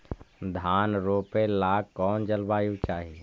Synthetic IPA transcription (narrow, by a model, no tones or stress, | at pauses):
d̪ʱaːnɾoːpelaːkɔːnd͡ʒəlbaːjut͡ʃaːɦi